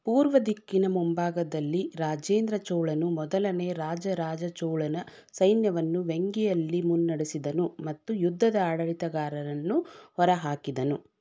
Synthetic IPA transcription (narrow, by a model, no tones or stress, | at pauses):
puːɾʋɐd̪ikːinɐmumbaːɡɐd̪ɐlːiɾaːd͡ʒeːnd̪ɾɐt͡ʃɔwɭɐnumɔd̪ɐlɐne̞ːɾaːd͡ʒɐɾaːd͡ʒɐt͡ʃɐwɭɐnɐ | sɐjnjɐʋɐnːuʋeŋɡɛjɐlːimunːɐɽesid̪ɐnumɐt̪ːujud̪ʱːɐd̪ɐaːɽɐɭit̪ɐɡaːɾɐɾɐnːuhɔɾɐɦaːkid̪ɐnu